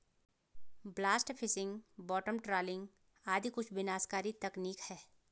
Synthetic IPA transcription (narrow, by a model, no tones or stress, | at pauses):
blaːsʈpʰɪsɪ̃ŋɡbɔːʈəmʈɾaːlɪ̃ŋɡ | aːd̪ʱikʊt͡ʃʰbɪnaːskaːɾit̪ɐkniːkhɛː